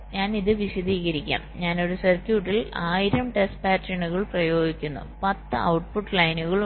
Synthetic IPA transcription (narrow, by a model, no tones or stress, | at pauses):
ɲaːniðɨʋiɕɐd̪iːɣɐɾikʲːa̰ːmɲaːno̞ɾusɐrkjuːʈːilaːjiɾɐmʈespaːtrɐɳuɣɐɭprɐjo̞ːɡikʲːunːṵpɐt̪ːɨɐ̰wʈpuʈːlɐjnuɣɐɭ